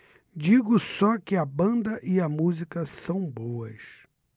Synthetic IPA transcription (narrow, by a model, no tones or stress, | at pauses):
d͡ʒiɡʊsɔkɪɐbɐ̃nd̪ɐʔɪɐmuzikɐsɐ̃w̃bowɐs